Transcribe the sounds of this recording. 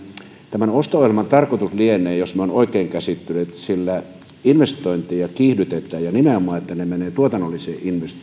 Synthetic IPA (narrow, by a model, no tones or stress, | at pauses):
t̪æmænost̪ooˑilmɑnt̪ɑrkot̪uslienˑeːjosmeonoˑikeːŋkæsit̪ːynet̪silːæ | inʋest̪oˑint̪iɑkiːhdyt̪et̪ːˑæːjjɑnimeomˑɑːˑet̪ːænemeneːt̪uot̪ɑnːolːiseːʔinʋest̪